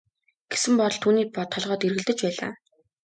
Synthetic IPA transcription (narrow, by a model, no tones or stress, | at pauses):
ɡ̥e̥sɘ̆mpɔɾɞ̆ɮt̪ʰːuːniːpɔt̪ʰːɔɮʁɔːt̪iɾɣɘ̆ɮt̪ɘ̆t͡ɕpæːɮa̰ː